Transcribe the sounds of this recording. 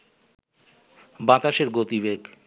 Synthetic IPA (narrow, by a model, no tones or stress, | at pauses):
bãt̪aʃeɾɡot̪iβeɡ